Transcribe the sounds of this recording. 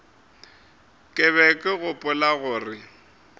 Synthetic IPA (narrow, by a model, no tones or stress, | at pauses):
kʼɪβɛkʼɪɣʊpʼʊlaɣʊːrɪ